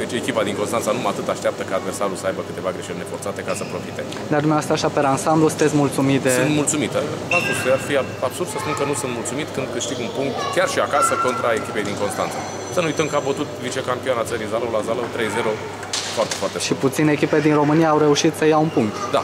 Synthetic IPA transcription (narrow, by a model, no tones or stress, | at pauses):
d̪et͡ʃʲe̞kʲipad̪iŋkonst̪ant̪sanumat̪ɨt̪aʃt̪ap̚t̪əkaːd̪ve̞rsaɾulsəajbəkɨt̪e̞vaɡɾeʃelʲnefo̞rt̪sat̪e̞kasəpɾo̞fit̪e | d̪ead̪umeoast̪aʃapeɾansamblusɨnt̪esʲmult̪sumit̪esɨt̪mult̪sumit̪əat̪ueafia | ab̥surd̪səspunkənusɨnt̪mult̪sumit̪kɨnd̪kɨʃt̪iɡunpuŋk̚t̪kʲarʃiakasəko̞nt̪ɾae̞kʲipe̞jd̪iŋko̞nst̪a̰nt̪sa | sənuujt̪əmkəabət̪ut̪vit͡ʃe̞kampionat̪səɾijzaləwlazaləwt̪ɾejze̞ɾo | foart̪e̥foart̪eʃiput̪sineːkʲiped̪inro̞mɨnijaːwɾe̞uʃit̪səjaunpuŋk̚t̪d̪a̰